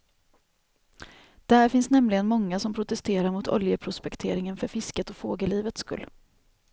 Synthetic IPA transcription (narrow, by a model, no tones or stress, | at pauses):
d̪̥ɛhæɾfɪnsnɛmlɪɡənmɔŋːasɔmpʰɾʊt̪ɛst̪eːɾaɾmʊt̪ʰɔ̰ljəpʰɾʊspɛkt̪ʰeːɾɪŋənfœɾfɪskət̪ɔfoːɡəliːvət̪skɵ̰lː